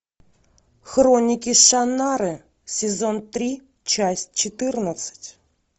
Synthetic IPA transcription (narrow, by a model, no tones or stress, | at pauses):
xronʲɪkʲiʃanaɾɨ | sʲɪzont̪ɾʲi | t͡ɕasʲt̚ʲt͡ɕɪt̪ɨrnət̪sɨ̥tʲ